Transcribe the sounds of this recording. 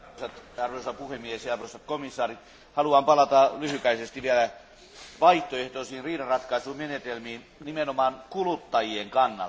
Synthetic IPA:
sɑt̪ɑrʋoisɑpuhemːiesjɑɑrʋosɑt̪komisːɑːrit̪ | hɑluɑmpɑlɑt̪ɑlyhykæisest̪iʋielæ | ʋɑiht̪oeht̪oisiːnriːdɑrɑt̪kɑisuːmenet̪elmiːn | nimenomɑːnkulut̪ːɑjieŋkɑnːɑ̰

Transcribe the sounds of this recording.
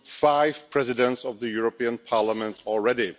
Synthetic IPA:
faɪv̥pʰɹ̥ɛzɪdə̃ntsʌvðɨjuɹəpiə̃npʰɑɹləmə̃ntʰɔl̩ˠɹɛɾi

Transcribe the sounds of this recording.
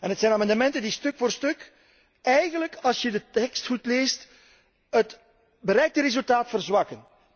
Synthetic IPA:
ɛnɦətsɛjnaːmɑndəmɛntəndistɵkfoːrstɵk | ɛjɣənləkɑlˠsjədətɛkstxutleːst | ɦət | bəɾɛjk̚təɾezylˠtaːtfərzwɑkən

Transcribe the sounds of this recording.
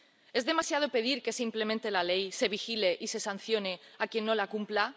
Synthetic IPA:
e̞zðe̞masjað̞o̞pe̞ð̞iɾke̞simple̞mẽnt̪e̞lale̞jse̞βixile̞ʔise̞san̟θjo̞ne̞akje̞nːo̞lakumpla

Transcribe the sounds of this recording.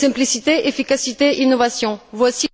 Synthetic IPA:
ɛ̃plisit̪eefikasit̪einovasjɔ̃vwasi

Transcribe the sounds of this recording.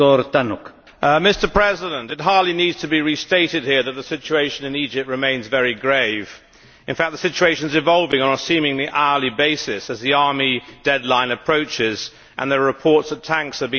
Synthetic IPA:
ɔɾt̪anʊk | mɪstə˞pʰɹ̥ɛzɪɾə̃ntɨt̚ɦɑɹdˡlinidz̥tʰɨbiɹisteɪɾɨd̚hiɹðɨt̪̚ðəsɪt͡ʃueɪʃɨ̃nɨ̃nid͡ʒɨp̚t̚ɹɨmẽɪ̃nzvɛɹiɡɹeɪv̥ | ɨ̃nfæk̚ðəsɪt͡ʃueɪʃɨ̃nzɨvɑlˠvɪ̃ŋə̃nəsĩmɪ̃ŋliʔaəlˠibeɪsɪsɨzðiɑɹmid̥ɛdˡlãɪ̃nɨpʰɹ̥oʊt͡ʃɪz | ʔɨ̰̃nðəɹɨpʰɔɹtsətʰæ̃ŋksəbĩ

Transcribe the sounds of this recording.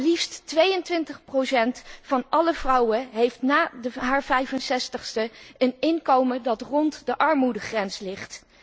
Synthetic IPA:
lifstʋejəntʋɪntəχprosɛntfɑnʔɑləv̥rɑwəɦejftnaːdəɦaːɹvɛjvənsɛstəχstəənɪnkowmədɑtrɔntdəʔɑɹmudəχrɛnslɪχt

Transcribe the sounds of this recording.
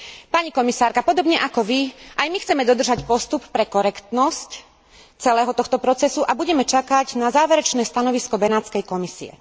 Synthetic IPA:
paɲikɔmisaːɾkapɔd̪ɔbɲɛʔakɔʋiʔajmixt͡sɛmɛd̪ɔd̪r̩ʒacpɔst̪uppɾɛkɔɾɛkt̪nɔsc | t͡sɛlɛːɦɔt̪ɔxt̪ɔpɾɔt͡sɛsuʔabuɟɛmɛt͡ʃakaɟnazaːʋɛɾɛt͡ʃnɛːst̪anɔʋiskɔbɛnaːt͡skɛjkɔmisiɛ̰

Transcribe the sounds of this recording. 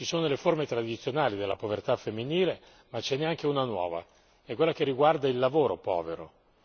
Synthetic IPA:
t͡ʃisoːnoleformet̪ɾad̪it̪sːjonaːlid̪elːa̰povert̪afemːiniːle | mat͡ʃːɛnːeaŋk̟eunanwɔ̰ːva̰ | ɛkːwelːak̟erːiɡward̪ailːavoːɾopɔ̰ːveɾo̰

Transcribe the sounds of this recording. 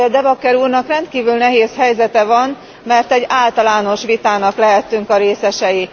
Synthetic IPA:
d̪ɛvɒkːɛɾuːrnɒkrɛnt̪kiːvylnɛɦeːshɛjzɛt̪ɛvɒn | mɛrt̪ɛɟːaːlt̪ɒlaːno̞ʃʋit̪aːnɒklɛɦɛt̪ːyŋkɒɾeːsɛʃɛji

